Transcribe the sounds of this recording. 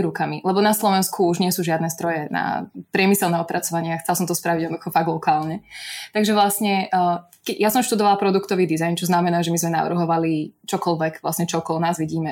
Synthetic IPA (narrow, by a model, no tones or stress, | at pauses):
ɾukamilɛbɔnaslɔʋɛnskʰuuʒɲɪɛsuːʒɪad̪nɛszd̪ɾɔjɛna̰pɾɪɛmisɛlnɛːɔpɾat͡sɔʋaɲɪaxt͡sɛlasɔmt̪ɔspɾaʋiɟɛdnɔd̪uxɔfaɡ̚lɔkaːlɲɛt̪aɡʒɛʋlasɲɛ | kɛjasɔmʃt̪ud̪ɔʋalapɾɔd̪ukt̪ɔʋiːd̪izajnt͡ʃɔznamɛnaːʒɛmizmɛna̰ʋr̩ɦɔʋalit͡ʃɔkɔlʋɛkʋla̰sɲɛt͡ʃɔkɔlɔnaːzʋiɟiːmɛ